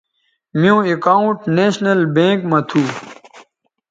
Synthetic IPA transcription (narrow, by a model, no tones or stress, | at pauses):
mijõːekaːũʈneːɕnɐlbẽːkmɐt̪ʰuː